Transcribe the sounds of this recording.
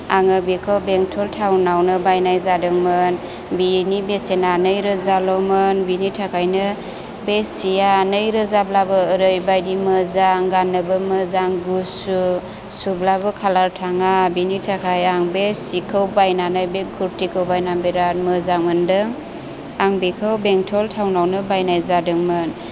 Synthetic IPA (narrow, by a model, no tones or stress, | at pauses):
aŋɯbikʰɔwbeŋtʰɔltʰawnawnɯbajnajzadɯŋmɯn | binibesenanɯjɾɯzalɔmɯnbinitʰakʰajnɯ | besijanɯjɾɯzablabɯːɾɯjbajdimɯzaŋɡanːɯbɯmɯzaŋɡusu | sublabɯkʰalaɾtʰaŋabinitʰakʰajaŋbesikʰɯwbajnanajbekʰuɾtʰikʰɯwbajnaŋbiɾat̚mɯzaŋmɯndɯ | aŋbikʰɯwbeŋtʰɔltʰawnawnɯbajnajzadɯŋmɯn